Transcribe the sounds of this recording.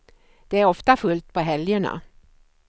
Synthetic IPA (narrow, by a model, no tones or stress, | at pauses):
d̪̥ɛæɾɔft̪afɵlt̪̚pʰɔɦɛljəɳa̰